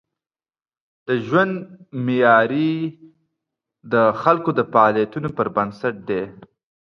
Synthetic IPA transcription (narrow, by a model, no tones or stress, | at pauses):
d̪̥əʒwand̪mɪjɑɾi | d̪əxalkod̪əfaɑlijat̪unopəɾbənsaʈ̚d̪e